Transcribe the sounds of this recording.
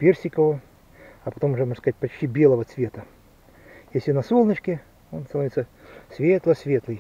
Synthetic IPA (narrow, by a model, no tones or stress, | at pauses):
pʲersʲɪkəvə | ɐpɐt̪omʊʐɛmoʐəskɐzat̚ʲpɐt͡ɕtʲibʲelˠəvət̪svʲe̞t̪ə | jesʲlʲɪnɐsolˠnət͡ɕkʲɪ | onst̪ɐnoit̪səsʲvʲet̪lˠəsʲvʲet̪lˠɨj